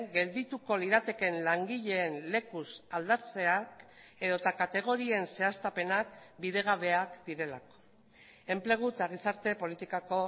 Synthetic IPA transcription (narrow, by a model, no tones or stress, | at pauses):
ɡe̞ld̪it̪uko̞liɾat̪e̞ke̞nlaŋɡiʎe̞ːnle̞kusald̪at͡se̞ak | e̞ðo̞t̪akat̪e̞ɣ̞o̞ɾie̞nse̞ast̪ape̞nak̚biðe̞ɣ̞aβ̞e̞akd̪iɾe̞lako̥ | e̞mple̞ɣ̞ut̪aɣisaɾt̪e̞po̞lit̪ikako̞